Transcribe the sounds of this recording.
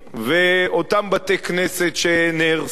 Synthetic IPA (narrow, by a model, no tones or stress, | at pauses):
veot̪ambat̪ekneset̪ʃeneʁ